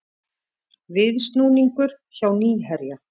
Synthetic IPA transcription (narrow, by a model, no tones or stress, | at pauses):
vɪðst̪nuːniŋkʏɾ̥ | çawniːɦɛɾja